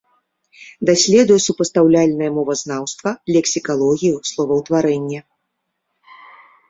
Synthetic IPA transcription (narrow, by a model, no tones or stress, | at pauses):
d̪asʲlʲɛd̪ujɛsupɐst̪awlʲalʲnɐjɐmɔvɐznawst̪vɐlʲɛksʲikalˠɔɣʲijuslˠɔvɐwt̪vaɾɛnʲːɛ